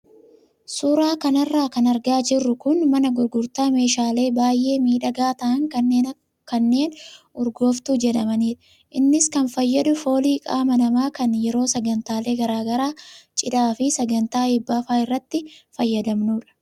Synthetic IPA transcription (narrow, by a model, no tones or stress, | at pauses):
suːɾaːkɐnɐrːaːkɐnɐɾɡaːd͡ʒɪrːʊkʊnmɐnɐɡʊɾɡʊɾt̪aːme̞ːʃaːle̞ːbaːjʔːe̞ːmiːᶑɐɡaːt̪ɐʔɐŋkɐnːeː | kɐnːe̞ːn | ʊɾɡo̞ːft̪uːd͡ʒɛᶑɐmɐniːᶑɐ̥ | ʔɪnːɪskɐnfɐjːɐᶑʊfo̞ːliːkʼaːmɐnɐmaːkɐnjɛɾo̞ːsɐɡɐnt̪aːle̞ːɡɐɾaːɡɐɾaːt͡ʃʼɪᶑaːfɪsɐɡɐnt̪aːɪbːaːfaːɪrːɐt̪ːɪfɐjːɐd̪ɐmnuːᶑɐ̥